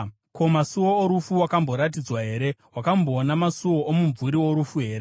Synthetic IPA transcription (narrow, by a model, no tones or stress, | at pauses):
ko̞masuwoːɾufuwakambo̞ɾat̬id͡zwaɦe̞ːɾe̞wakambo̞ːnamasuwo̞ʔomuɱvuɾiwo̞ɾufuɦe̞ːɾe